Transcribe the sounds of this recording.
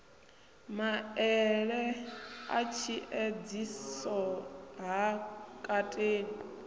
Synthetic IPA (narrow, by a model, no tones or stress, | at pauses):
maɛɺɛa̰t͡ʃʰiʔed͡zisɔɦakʼatʼeːni